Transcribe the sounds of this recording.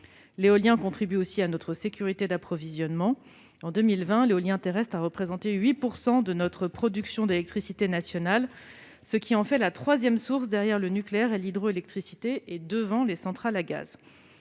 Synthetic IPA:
leɔljɛ̃kɔ̃t̪χibyosianɔt̪χəsekʲyʁit̪ed̪apχɔvizjɔnmɑ̃ | ɑ̃d̪ømilvɛ̃leɔljɛ̃t̪eʁɛst̪χaʁəpχezɑ̃t̪eɥipuʁsɑ̃d̪ənɔt̪χəpχɔd̪yksjɔ̃d̪elɛk̚t̪χisit̪enasjɔnal | səkʲiɑ̃fɛlat̪χwazjɛmsuʁsd̪ɛʁjɛʁlənykleɛʁelid̪ʁoelɛk̚t̪χisit̪eːd̪əvɑ̃lesɑ̃t̪χalaɡa̰z

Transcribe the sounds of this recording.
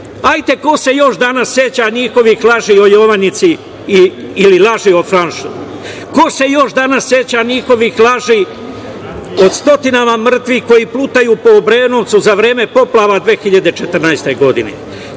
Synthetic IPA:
ajt̪e̞ko̞se̞jo̞ʃd̪anasːje̞t͡ɕanixo̞ʋixlˠaʒio̞joʋanit̪si | ililˠaʒio̞fɾanʃu | ko̞se̞jo̞ʃd̪anasːe̞t͡ɕanixo̞ʋixlˠaʒiː | o̞d̪st̪o̞t̪inamamr̩t̪ʋixko̞jiplˠut̪ajuːpo̞ːbɾeːnoʋt̪suzaʋɾe̞ːmepo̞plˠaʋad̪ʋe̞ːxiʎad̪et͡ʃet̪rnajst̪e̞ɡo̞d̪inḛ

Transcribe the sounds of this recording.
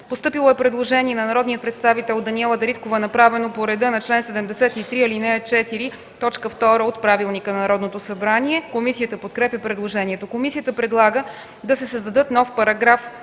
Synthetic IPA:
post̪ɤpilˠoɛpɾɛd̪lˠoʒɛniɛnɐnɐɾɔd̪nijət̪̚pɾɛt̪st̪avit̪ɛlˠod̪ɐniɛlˠəd̪ɐɾit̪kovəɛnɐpɾavɛnopoɾɛd̪ɤnɐt͡ʃlɛnsɛd̪ɛmd̪ɛsɛt̪it̪ɾiɐlinɛvɛt̪̚t͡ʃɛt̪iɾi | t̪ɔt͡ʃkəft̪ɔɾəot̪pɾavilˠnikənɐnɐɾɔd̪not̪osɐbɾaniɛkomisiət̪əpot̪kɾɛpjʲəpɾɛd̪lˠoʒɛniɛt̪okomisijət̪əpɾɛd̪lˠaɡə | d̪ɐsɛsəzd̪ɐd̪ɤt̪nɔfpɐɾɐɡɾaf

